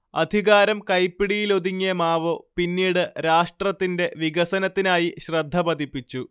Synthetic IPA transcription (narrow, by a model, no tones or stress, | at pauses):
ɐ̰d̪ʱiɣaːɾɐmkɐjpːiɽijilo̞ðiŋːijɐmaːʋopinːiːɽɨɾaːʂʈrɐt̪ːinde̞ʋiɡɐsɐnɐt̪ːinaːjiɕrɐd̪ʱːɐbɐd̪ʱipːit͡ɕːu